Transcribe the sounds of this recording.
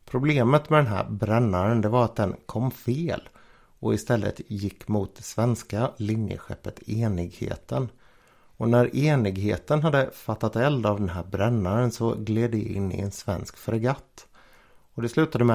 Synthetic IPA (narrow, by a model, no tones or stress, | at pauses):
pʰɾʊbleːmət̪mɛd̪ɛnɦæ̰ːɾbɾɛnːaɾənd̪ɛvaɾat̪̚d̪ɛnkʰɔmːfeːl | ɔɪst̪ɛlːə̰t̪jɪkːmʊːt̪̚d̪ɛsvɛnskalɪnjə̰ɧɛ̰pːət̪eːnɪɡhḛːt̪ʰən | ɔnæɾeːnɪɡɦeːt̪ənɦad̪ːəfat̪ːat̪ɛld̪avd̪ɛnɦæːɾbɾɛnːaɾənsɔɡleːd̪ɛɪ̰nːɪ̰ɛ̰nsvɛ̰nskfɾɛɡat̪ː | ɔd̪ɛslʉ̟ːt̪ad̪əmɛ